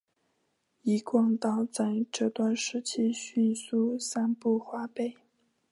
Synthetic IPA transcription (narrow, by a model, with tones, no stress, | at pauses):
i˧˥kwɑ˥˧ŋt̪ɑ˥˧ʊt͡sa˥˧ɪʈ͡ʂɤ˥˧t̪wa˥˧nʂɻ̩˥t͡ɕʰi˥ɕy˥˧nsu˥˩sa˥npu˥˩xwa˧˥pe˥˩ɪ